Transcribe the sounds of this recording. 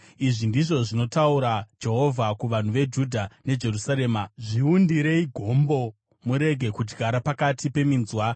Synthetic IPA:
iʐindiʐo̞ʐino̞tauɾad͡ʒe̞ɦo̞vʱakuʋan̤uʋe̞d͡ʒudʱane̞d͡ʒe̞rusaɾe̞ːmaʐiundiɾe̞iɡʱo̞mbo̞ | muɾe̞ɡʱe̞kud͡ʒɡʱaɾapakatʰipe̞minzwa

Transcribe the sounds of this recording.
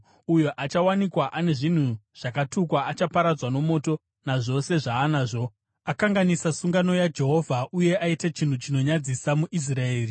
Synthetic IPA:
ujoʔat͡ʃawanikwaʔane̞ʐin̤uʐ̥akatukwaʔat͡ʃapaɾad͡zwano̞mo̞ːto̞ | naʐo̞se̞ʐaːnaːʐo̞ | akaŋɡanisasuŋɡano̞jad͡ʒe̞ɦo̞vʱaʔuje̞ʔaitat͡ʃin̤ut͡ʃino̞ɲad͡zisamuʔis̬raeːri

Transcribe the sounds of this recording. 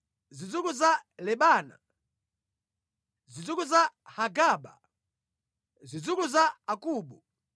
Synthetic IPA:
zid͡zukuzalɛɓaːna̰ | zid͡zukuzahaɡaːɓa̰ | zid͡zukuzaakuːɓu

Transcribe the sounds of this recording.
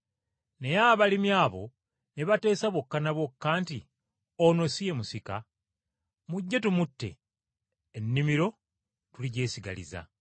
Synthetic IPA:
ne̞jaβalimjaːβo̞̰ | neβate̞ːsaβwo̞kːanaβwo̞kːaːnti | ono̞sije̞musika | muɟːetumutːe̞̰ː | nːimiɾo̞ | tuliɟe̞ːsiɡa̰lḭza̰

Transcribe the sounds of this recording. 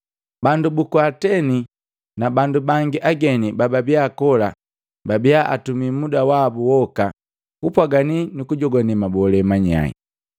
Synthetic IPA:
bandubukwatɛni | nabandubaŋɡiʔaɡɛnibababiakɔla | babijaʔa̰tumimudawabuwɔka | kupwaɡaninukuɟɔɡɔnɛmabɔlɛmaɲa̰ḭ

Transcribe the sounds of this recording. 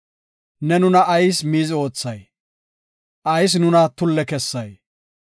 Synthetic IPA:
nɛnʊnɐʔːjsmiːzo̞ːt͡sːɐj | ʔɐjs̬nʊnɐt̪ʊlːɛkɛsːɐj

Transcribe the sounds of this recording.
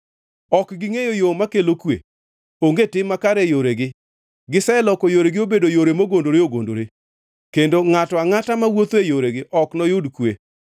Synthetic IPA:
ɔkɡɪŋejojomakelokwḛ | oŋɡetɪmːakaɾejoɾeɡɪ | ɡɪsɛlɔkojoɾeɡɪobedojoɾemoɡondoɾeoɡo̰ndo̰ɾe | kendoŋatɔaŋatamawot̪ejoɾeɡɪʔɔknɔjʊdkwe

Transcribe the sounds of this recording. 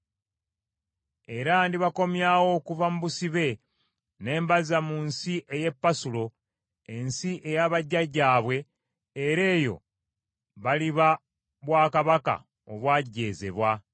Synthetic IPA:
e̞ɾandiβako̞mjaːwo̞ːkuvamuβusiβe̞ | ne̞ːmbazamunsiʔe̞je̞pːasulo̞ | ensiʔe̞jaβaɟːaɟːaːβwe̞ː | ɾe̞ːjo̞̰ | βaliβa | βwaːkaβaka̰ | o̞βwaːɟːe̞ːze̞̰βwa

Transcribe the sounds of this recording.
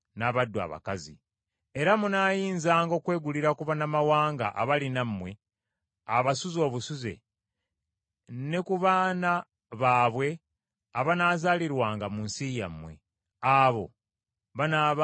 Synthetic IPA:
naːβadːwa̰βa̰kazḭ | eɾamunaːjiːnzaːŋɡo̞ːkwe̞ːɡuliɾakuβanamawaːŋɡa̰ʔa̰βalinamːwe̞ | aβasuzo̞ːβusuze̞̰ | ne̞kuβaːna | βaːβwe̞ | aβanaːzaːliɾwaːŋɡamunsiːja̰mːwe̞̰ | aːβo̞̰ | βanaːβ

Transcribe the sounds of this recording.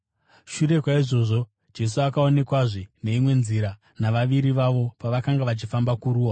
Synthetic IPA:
ʃuɾe̞kwaiʐo̞ʐo̞ | d͡ʒe̞s̬uakao̞ne̞kwaʐine̞imwe̞nziɾa | naʋaʋiɾiʋaʋo̞paʋakaŋɡaʋat͡ʃifambakuɾuːa

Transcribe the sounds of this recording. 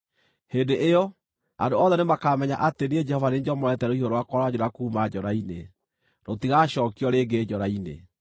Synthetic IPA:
hendeʔejɔ | a̰ndoɔðɛnemakaːmɛɲa̰ʔatenied͡ʒɛhɔvaneɲd͡ʒɔmɔɛtɛɾoihoɾoakɔɾad͡ʑoɾakuːmad͡ʑɔɾaine | ɾotiɣaɕɔːkiɔɾeːɡeːd͡ʒɔɾainḛ

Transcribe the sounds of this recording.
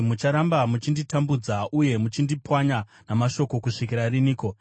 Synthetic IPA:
mut͡ʃaɾambamut͡ʃinditambud͡zaʔuje̞mut͡ʃindipwaɲanamaʃo̞ko̞kuʂik̬iɾariniːko

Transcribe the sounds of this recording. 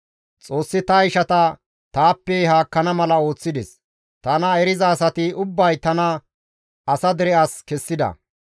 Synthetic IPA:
t͡sʼo̞ːsːɪt̪ɐɪʃɐt̪ɐ | t̪aːpːɛɦaːkːɐnɐmɐlɐo̞ːt͡sːɪd̪ɛs | t̪ɐnɐɛɾɪzɐːsɐt̪ɪʊbːɐjt̪ɐnɐ | ɐsɐd̪ɛɾɛʔaskɛsːɪd̪ɐ̰

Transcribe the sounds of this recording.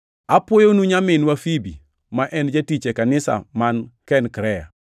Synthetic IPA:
apwojonuɲamɪnwafibḭ | maʔɛnd͡ʒatit͡ʃekanɪsa̰mankɛnkɾɛja̰

